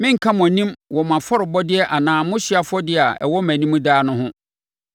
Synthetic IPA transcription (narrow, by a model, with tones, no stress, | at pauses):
mɪ̃˦ŋ̩˨kʰã˦m˨ɔ̃˨nĩ˦mwɔ˨mã˨fɔ˦ɾɪ˨bɔ˦dɪ˦ɛ˦ʔa˨nãː˨mʊ̃˦ɕi˦a˨fʊ˦ɔ˦dɪ˦˨a˨ɛ̰˨wɔ˦mæ̃˨nĩ˦mũ˦daː˦nʊ̃˦ɦʊ̃˦